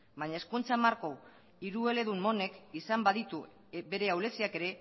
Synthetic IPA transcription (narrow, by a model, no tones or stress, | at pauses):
baɲaeskunt͡samaɾko | iɾue̞le̞ðumːo̞ne̞kisambaðit̪u | be̞ɾe̞awle̞siake̞ɾe̞